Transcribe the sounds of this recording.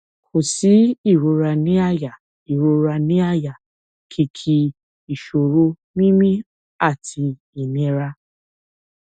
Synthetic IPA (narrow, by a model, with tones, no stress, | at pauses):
ko˨si˨˦i˦˨ɾo˧ɾa˧nĩ˦a˦˨ja˨ | i˨ɾo˧ɾa˧nĩ˦a˦˨ja˨ | kʰi˧kʰi˧ | i˨ʃo˨ɾo˧ | mĩ˦mĩ˦ | a˦˨tʰi˧ | i˨nẽ˧ɾa˧